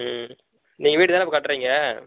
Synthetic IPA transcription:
niːŋɡɐʋiːʈɯt̪aːnɪpːɐkɐʈːɾiːŋɡɐ

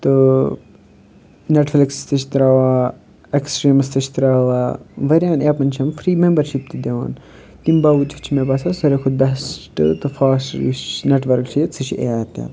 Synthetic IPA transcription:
t̪ɨ | neʈflɐkst̪ɐt͡ʃʰi̥t̪ɾaːʋaː | eksʈɾiːmɐst̪ɐt͡ʃʰi̥t̪ɾaːʋaːʋɐɾʲjaːneːpɐnt͡ʃʰɐmfɾiːmembɐɾʃip̚t̪id̪eʋa̰ːn | t̪imbaːwut͡ʃʰɐt͡ʃʰimebɐsɐsɐɾekʰud̪̚bɛsʈɨ̰t̪ɨfaːsʈḭʃneʈʋɐɾkt͡ʃʰit͡sʰɨt͡ʃʰiʔḛaːt̪a̰ː

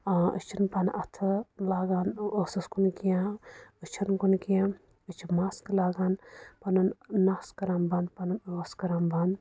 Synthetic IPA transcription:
aɨ̰t͡ʃʰinpɐnʔɐt̪ʰɨlaːɡaːnosɐskunkijãɨt͡ʃʰinkunkijã | ɨt͡ʃʰimaːsklaːɡaːnpɐnunnaːskɐɾambanpɐnunoːskɐɾamban

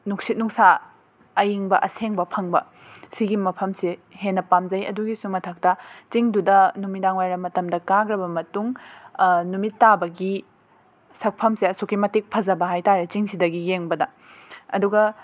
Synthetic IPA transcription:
nuk̚sit̚nuŋsa | ɐjiŋbɐʔɐseŋbɐpʰɐŋbɐ̰ | siɡimɐpʰɐmsihenːɐpamzɐjɐ̰duɡisumɐtʰɐk̚tɐt͡ʃiŋdudɐnumidaŋwajɾɐmːɐtɐmdɐkaɡɾɐbɐmɐtuŋ | numitːabɐɡi | sɐk̚pʰɐmsiɐsokːimɐtik̚pʰɐzɐbɐɦajtaɾet͡ʃiŋsidɐɡijeŋbɐdɐ | ɐ̰duɡɐ

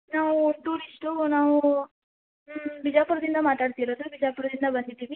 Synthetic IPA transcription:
naːʋuʈuːɾisʈunaːʋu | bid͡ʒaːpuɾɐd̪ind̪ɐmaːʈ̪aːɖt̪iːɾoːd̪ubid͡ʒaːpuɾɐd̪ind̪ɐbɐnd̪it̪ːiːʋi

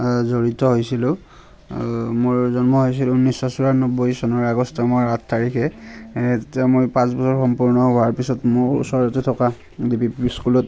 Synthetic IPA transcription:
zoɹitɔɦojsilʊ̃ | moɹzɔnmɔɦojsilʊunːisɔsuɹanɔbojsɔnɔɹaɡɔstʰamɔatʰtaɹikʰɛ | tetiamojpãsbɔsɔɹxɔmpuɹnɔɦoaɹpisɔtmoɹṵsɔɹatetʰɔka | dipiskulɔt

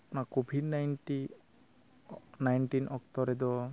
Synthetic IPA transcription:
pnakobʱidnajnʈi | najnʈinʔɔk̚t̪ɔɾɛd̪ɔ

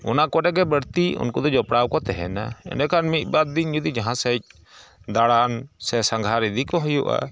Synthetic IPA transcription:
ɔ̰nakɔɖɛɡɛbəɾt̪iṵnkɔd̪ɔd͡ʒɔpɽawkɔt̪ɛɦɛ̰naɛ̰nɛkʰanmit̪̚ˀbad̪̚ːiɲd͡ʒud̪id͡ʒaɦãsəc̚ | d̪aɽansɛsãŋɡʱaɾid̪ikɔɦɔjuʔa̰

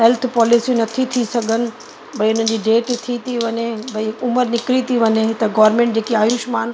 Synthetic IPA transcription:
ɦɛlt̪ʰpɔːlisiũnɐt̪ʰit̪ʰisɐɡʱənɪ̆ | bɐiʊn̤ən̆d͡ʑiːɖeːʈt̪ʰit̪ʰiʋɐɲebɐiʊməɾnɪkɪɾit̪ʰiʋɐɲeɦɪt̪ɐɡɔːɾmẽːɳʈ̚d͡ʑeːkiaːjuːʃmaːn

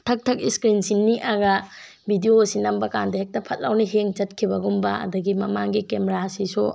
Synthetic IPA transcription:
tʰɐk̚tʰɐk̚iskɾinsinːiʔaɡɐ | bʱidiosinɐmbɐkandɐɦek̚tɐpʰɐt̚lawniɦeŋd͡ʒɐt̚kʰibɐɡumbɐ̰ɐ̰dɐɡimɐmaŋɡikemeɾasisu

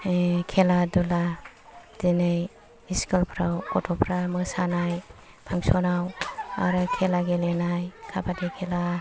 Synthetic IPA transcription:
kʰeladɔla | denɯj | iskalpʰɾawkɔtʰɔpʰɾamɯsanaj | pʰaŋsɔnawa̰ɾɯkʰelaɡelenajkʰabadekʰela

